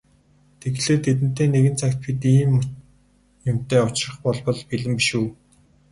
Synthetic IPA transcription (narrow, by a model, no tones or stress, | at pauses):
t̪ʰeɣɮeːrt̪ʰet̪̬ɘ̥̆t̪eːneɣɘ̆nt͡sʰakʲt̪̚pʰit̪iːmʊ | jʊm̥t̪eːʊt͡ɕrə̆χpɔɮpɞ̆ɮpiɮɘ̆mpiʃuː